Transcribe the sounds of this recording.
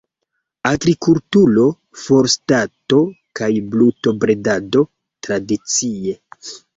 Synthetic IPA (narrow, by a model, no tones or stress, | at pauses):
aɡɾikultulo̞ | fo̞ɾstato̞kajbluto̞bɾe̞dado̞ | tɾadit͡sie̞